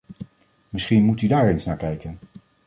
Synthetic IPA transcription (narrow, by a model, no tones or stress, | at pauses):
mɪsχinmutydaːɹejnsnaːɹkɛjkən